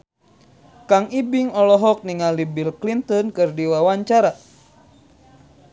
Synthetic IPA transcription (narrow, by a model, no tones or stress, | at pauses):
kaŋibiŋɔlɔɦɔk̚niŋalibilklint̪ɔnkɨrdiwawaɲt͡ʃaɾa